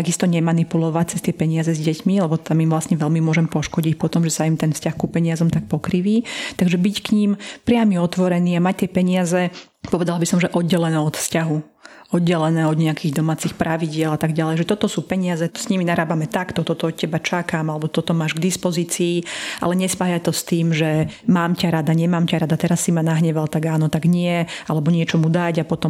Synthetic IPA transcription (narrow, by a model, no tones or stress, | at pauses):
aɡist̪ɔɲɛmanipulɔʋac̚t͡sɛst̪ɪɛpɛɲɪazɛzɟɛcmilɛbɔt̪amimʋlasɲɛʋɛlmimʊɔʒɛmpɔʃkɔɟic̚pɔt̪ɔmʒɛsaimt̪ɛnfscaxkupɛɲɪazɔmt̪ak̚pɔkɾiʋiːt̪aɡʒɛbickɲimpɾɪamiɔt̪ʋɔɾɛniːamac̚t̪ɪɛpɛɲɪazɛ | pɔʋɛd̪alabisɔmʒɛʔɔd̪̚ɟɛlɛnɛːɔt̪fscaɦu | ɔd̪ɟɛlɛnɛːɔd̪ɲɛakiːɣd̪ɔmaːt͡sixpɾaʋiɟɪɛlat̪aɡɟalɛjʒɛt̪ɔt̪ɔsuːpɛɲɪazɛsɲiminaɾaːbamɛt̪akt̪ɔt̪ɔt̪ɔɔt̪̚cɛbat͡ʃakamalɛbɔt̪ɔt̪ɔmaːʒɡd̪ispɔziːt͡siːʔa̰lɛɲɛspaːjat̪ɔst̪iːmʒɛmaːmcaɾad̪aɲɛmaːmcaɾad̪at̪ɛɾasːimanaɦɲɛʋalt̪aɡaːnɔt̪aɡɲɪɛalɛbɔɲɪɛt͡ʃɔmud̪aɟapɔt̪ɔ